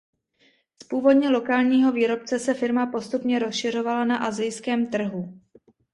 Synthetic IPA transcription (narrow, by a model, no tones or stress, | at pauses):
spuːvo̞dɲɛlo̞kaːlɲiːɦo̞viːɾo̞p̚t͡sɛsɛfɪɾmapo̞st̪upɲɛɾo̞sʃɪr̝o̞valanaʔazɪjskɛːmt̪r̩ɦu